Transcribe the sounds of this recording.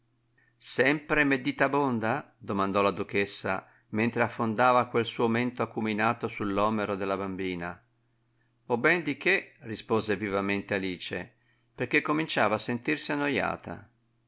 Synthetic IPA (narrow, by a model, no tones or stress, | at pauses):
sɛmpɾemed̪iːt̪abond̪a | d̪omand̪ɔlad̪uk̟esːa̰ | ment̪ɾeafːond̪aːvakwelsuːoment̪oakːuminaːt̪osulːɔːmeɾod̪elːabambiːna | obɛnd̪ikerispoːzevivament̪ealiːt͡ʃḛ | perk̟ekːomint͡ʃaːvaːsent̪irsianːoja̰ːt̪ʰa̰